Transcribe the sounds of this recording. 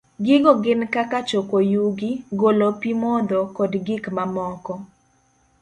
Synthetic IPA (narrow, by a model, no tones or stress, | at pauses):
ɡɪɡɔɡɪnkakat͡ʃokojuɡɪɡolopimɔd̪ɔkɔdɡɪkmamɔkɔ